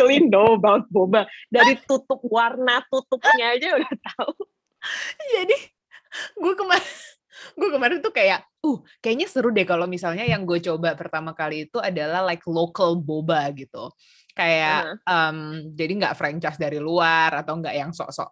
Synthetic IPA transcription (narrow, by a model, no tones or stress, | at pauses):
əlindobat̪̚bobadaɾit̪ut̪ʊp̚warnat̪ut̪ʊp̚ɲaːd͡ʒaudaht̪au | d͡ʒadi | ɡuakəmaɾ | ɡuakəmaɾɪnt̪ukajaʔ | uh | kajaɲasəɾudekalomisalɲajaŋɡuat͡ʃobapərt̪amakaliːt̪uadalahlaɪklokəlbobaɡit̪u | kajaəmd͡ʒadiŋɡa̰ʔfɾant͡ʃajsdaɾiluarat̪awŋɡaʔjaŋsɔ̰ʔsɔ̰ʔ